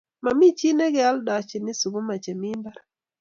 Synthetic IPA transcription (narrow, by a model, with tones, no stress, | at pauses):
ma˨mi˦t͡ʃi˦nɛ˦ɡɛ˦a˦lda˨t͡ʃi˨nɪ˦su˨ɡu˦ma˨t͡ʃɛ˨mi˦mba˦ɾ